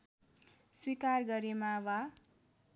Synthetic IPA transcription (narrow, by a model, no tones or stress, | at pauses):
swikarɡʌɾemawa